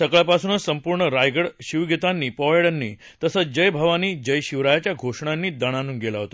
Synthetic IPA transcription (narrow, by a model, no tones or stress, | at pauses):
səɡɭjapasuːnəsəmpuɾɳəɾajɡəɽɕiʋɡʱit̪anːiːpɔʋɭeɽənːḭː | t̪əsəd͡ʑəjbʱaʋaniːd͡ʑəjɕiʋɾajat͡ɕjaɡʱoʂɳãnːiːd̪əɽ̃anuːnɡelaɦot̪a